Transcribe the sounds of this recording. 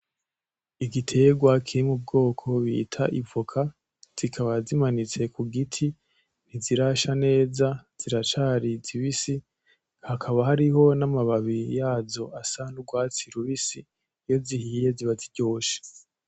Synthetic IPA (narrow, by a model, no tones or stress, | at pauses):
iɡitʰe̞ɡwakʰiɾimub̚ɡoːkʰo̞βḭtʰaʔivukʰa | z̥ikʰaβazimanit͡se̞kuɡitʰi | n̥iziɾaʃane̞ːzaz̥iɾat͡ʃaːɾiziβisi | hakʰaβaɦaɾiho̞namaβaβijaːzo̞ʔasanuɡwaːt͡siɾuβisi | jo̞zihiije̞ziβatiɟo̞ːʃe̥